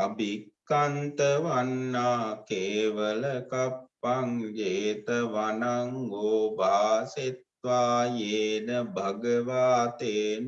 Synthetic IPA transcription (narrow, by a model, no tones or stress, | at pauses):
ɐbʱikːant̪əʋanːaːkeːʋələkapːaŋd͡ʒeːt̪əʋanaŋɡoːbʱaːset̪̚ʋaːjeːnəbʱaɡəʋaːt̪eːn